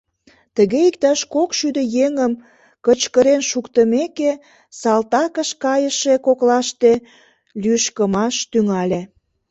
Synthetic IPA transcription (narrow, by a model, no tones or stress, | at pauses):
t̪əɣeikt̪ɑʃkokʃyd̪ejeŋəm | kət͡ɕkəɾenʃukt̪əmeke | sɑlt̪ɑkəʃkɑjəʃekoklɑʃt̪e̽ | lyəʃkəmɑʃt̪yŋɑlʲe